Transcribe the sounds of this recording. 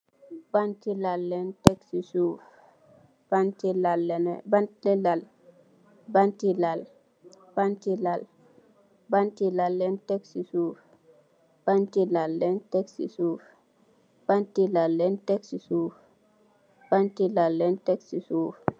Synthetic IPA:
bantilalːɛntɛksisuf | bantilalːɛnbanlɛlal | bantilal | b̥antilal | bantilalːɛntɛksisuf | b̥antilalːɛntɛksḭsuf | b̥antilalːɛntɛksisuːf | b̥antilalːɛntɛksisuːf

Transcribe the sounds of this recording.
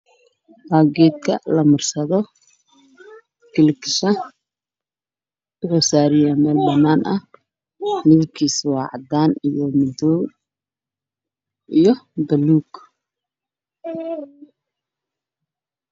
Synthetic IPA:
baːɡɛːd̪̚kʰɐ̰lɐmɐrsɐðɔ | kɪlɪkɪ̥ʃɐ | bɪhɔsaːɾɪjɐmɛːlbɐnːaːnʔɐh | mɪðɪb̚kʰiːswɑːʕɑ̰d̪aːnijɔmɪdɔ | ʔijɞb̪ɐluːɡ

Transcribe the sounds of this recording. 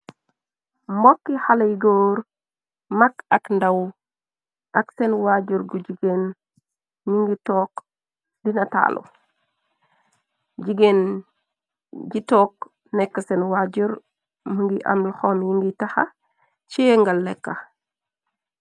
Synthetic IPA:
mbokːihalajɡoːɾ | makakndaw | ʔaksenwaɟuɾɡuɟiɡen | ɲiŋɡitoːk | dinata̰ːlʔo̰ | ɟiɡen | ɟitoːk | nɛkːasenwaɟuɾ | məŋɡiʔa̰mlxomjiŋɡitaha̰ | t͡ʃiŋɡalːɛkːa

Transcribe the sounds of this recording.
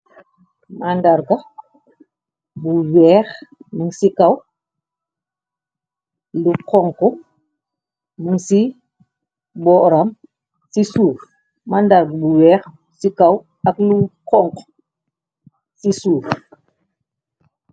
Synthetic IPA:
mandaɾɡɐ | buwɛːxməŋsikɐw | lukɔŋku | muŋsi | bɔːʔɾam | sisuːɾ | mandaɾɡbuwɛːx | sikɐw | ɐklukɔŋk | sisuːɾ

